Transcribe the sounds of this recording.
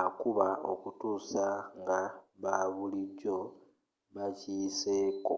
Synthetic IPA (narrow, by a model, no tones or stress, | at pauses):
akuβao̞kutuːsaŋɡaβaβuliɟo̞ | βaciseːko